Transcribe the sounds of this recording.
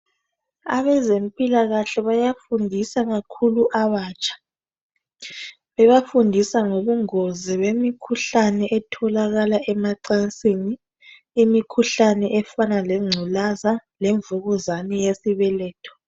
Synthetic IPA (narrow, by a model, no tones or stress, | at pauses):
aβɛzem̩pʼilaɣaɬɛβajafundʱisaɣakʰuluʔaβaːt͡ʃʼḁ | βɛβafundʱisaŋoβuŋɔzɛβemikʰuɬanɛʔɛtʰɔlaɣalaʔɛmaǀant͡sʼiniː | mikʰuɬanɛʔɛfanalɛŋ͡ǀʱulazaleɱvuɣuzanɛjesiβɛlɛːtʰɔ̥